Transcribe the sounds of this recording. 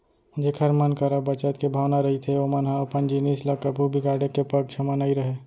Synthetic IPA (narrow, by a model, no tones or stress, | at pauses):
ʊd͡ʒʱekʰɐɾmənkəɾəbɐt͡ʃət̪kebʱaːʋnaɾɐɦit̪ʰeomənɦaɐpənd͡ʒinisləkːəpubʱiɡaːɽekepɐɡ̚t͡ʃʰɐmanaiɾɐɦe